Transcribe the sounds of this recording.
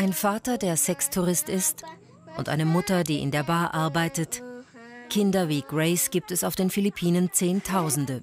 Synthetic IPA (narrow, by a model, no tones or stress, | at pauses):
ʔaɪnfaːtɐdeːɐzɛkstʰuʁɪstɪst | ʔʊntʔa̰ɪnəmʊtɐdiːʔɪ̰ndeːɐbaːɐʔaɐbaɪtət | kʰɪndɐviːɡ̥ʁɛɪsɡ̥iːp̚tɛsaʊfd̥eːnfilipʰiːnənt͡seːntʰaʊzn̩də